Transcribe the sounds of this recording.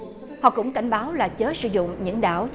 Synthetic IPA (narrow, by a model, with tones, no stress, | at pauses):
hɔ̰˧˨kʊ̰˧˥ŋ͡mka˧˩jŋ̟ɓaː˨˦wlaː˨˩t͡ɕəː˨˦˥tsɨ̰˧˩zʊ̰˧˨ŋ͡mɲɨ̰˧˥ŋɗaː˧˩wt͡ɕ